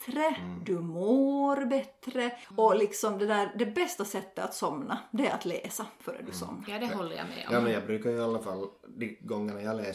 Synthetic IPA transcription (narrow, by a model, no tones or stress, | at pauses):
t̪ɾəd̪ɵmoːɾbɛt̪ːɾəɔlɪksɔmd̪ɛd̪æːɾd̪ɛbɛst̪asɛt̪ːəa̰t̪sɔmnad̪ɛæɾat̪leːsafœɾɛ̰d̪ʉsɔ̰mːnaɾd̪ɛɦɔlːə̰ja̰mɛ̰ɔ̰jɑːmɛnjɑːɡbɾʉːkaɾjɵalːafalːd̪iɡɔŋːanajɑːleː